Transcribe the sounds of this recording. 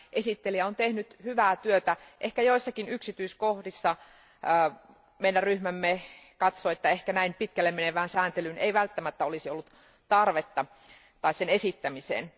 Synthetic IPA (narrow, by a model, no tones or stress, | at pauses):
ʔesit̪ːeliæont̪ehnyt̪hyʋæːt̪yøt̪æʔehkæjoisːɑkinyksit̪yiskohdisːɑ | əː | meinːæryhmæmːekɑt̪soet̪ːæehkænæimpit̪kælːemeneʋæːnsæːnt̪elyneiʋælt̪ːæmæt̪ːæolisiolːut̪ | t̪ɑrʋet̪ːɑ | t̪ɑissenesit̪ːæmisḛːn